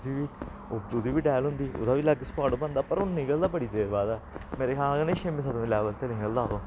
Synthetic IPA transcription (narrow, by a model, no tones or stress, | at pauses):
iːʋiː | od̪ud̪iːʋiːɖɛːlɦʊ̃nd̪iːʔʊ̰d̪aːʋiːləɡspaːʈːbənd̪aːpəɾʊnːĩːɡəld̪aːbəɽiːd̪eːɾbaːd̪ɛːmeːɾeːkʰaːɡənẽːʃemĩːsəd̪õeiːlɛːʋəlt̪eːnĩːɡəld̪aːd̪oː